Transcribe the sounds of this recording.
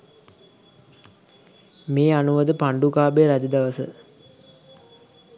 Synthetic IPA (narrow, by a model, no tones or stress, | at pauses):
meːanuʋəd̪əpaɳɖukaːbeːɾæd̪əd̪aʋəsə̰